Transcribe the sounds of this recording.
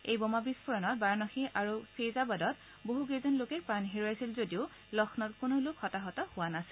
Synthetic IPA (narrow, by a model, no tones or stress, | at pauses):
ejbɔmabispʰuɹɔnɔt̚baɹnɔxiʔaɹupʰezabadɔt̚ | boɦuɡezɔnlokɛkpɹanɦiɹojajsilzodiʊ | lɔxʰnɔtkonolokhɔtaɦɔtɔhʊwanasil